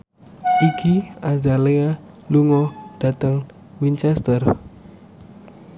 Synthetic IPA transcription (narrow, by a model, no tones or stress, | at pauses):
ʔikiazalea | luŋɔɖ̥a̤t̪əŋ | wiɲt͡ʃɛst̪ər